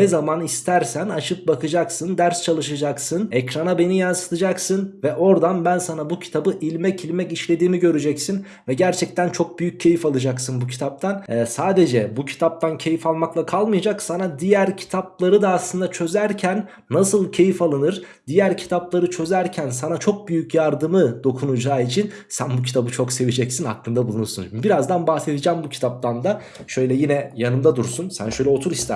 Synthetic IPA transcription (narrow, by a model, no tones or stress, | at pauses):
nɛzamanist̪ʰæɾsænaʃɯp̚bakʰɯd͡ʒaksɯnd̪æɾst͡ʃʰalˠɯʃad͡ʒaksɯnɛcɾanabe̞nijansɯ̥t̪ʰɯd͡ʒaksɯnvɛʔo̞ɾd̪anbænsanabucʰi̥t̪ʰabɯʔilʲmɛcilʲmɛciʃlʲe̞d̪iːmiɟø̞ɾyd͡ʒɛcsin | vɛɟæɾt͡ʃʰɛc̚t̪ʰænt͡ʃʰo̞k̚byjyc̚ʰːe̞jifalˠɯd͡ʒaksɯnbucʰi̥t̪ʰap̚t̪ʰanɛsaːd̪e̞d͡ʒɛbucʰi̥t̪ʰap̚t̪ʰancʰe̞jifalˠmaklˠakʰalˠmɯjad͡ʒaksanad̪ijæɾcʰi̥t̪ʰap̚lˠaɾɯd̪aːslˠɯnd̪at͡ʃʰø̞zæɾcʰænː | asɯlˠcʰe̞jifalˠanɯɾ | d̪ijæɾcʰi̥t̪ʰaplˠaɾɯt͡ʃʰø̞zæɾcʰænsanat͡ʃʰo̞k̚byjycjaɾd̪ɯmɯd̪o̞kʰunud͡ʒaːit͡ʃʰin | sænbucʰi̥t̪ʰabɯt͡ʃʰo̞kse̞vid͡ʒɛcsinhaklːˠɯnd̪abulˠunuɾsunbiɾazd̪anbahse̞d̪id͡ʒæmbucʰi̥t̪ʰap̚t̪ʰand̪a | ʃø̞jlʲɛjinɛjanɯmd̪ad̪uɾsunsæ̰nʃø̞jlʲɛo̞t̪ʰuɾist̪æ